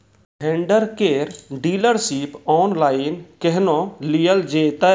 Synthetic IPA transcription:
ɦẽɳɖəɾkeːɾɖiːləɾsiːpɔːnlaːinkɛɦnõːliːəld͡ʒeːt̪a

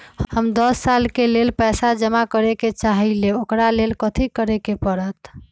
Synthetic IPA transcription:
hhəmd̪əsːalkelelpɛjsad͡ʒəmakəɾeket͡ʃaɦileokɾalelkət̪ʰikəɾekepəɾət̪

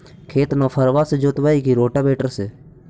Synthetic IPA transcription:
kʰeːt̪noːpʰəɾʋaːsed͡ʒot̪ʋaːiːkiːɾoːʈaːbeːʈəɾseː

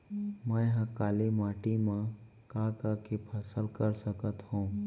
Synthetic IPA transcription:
mə̃jɦãkaːlimaːʈimã | kakakepʰəsəlkəɾsəkət̪hũː

